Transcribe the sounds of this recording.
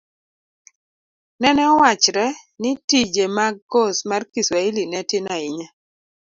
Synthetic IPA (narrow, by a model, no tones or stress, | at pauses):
nɛnɛɔwat͡ʃɾɛnɪtid͡ʒemaɡosmarkiswailinɛtɪnaɪɲa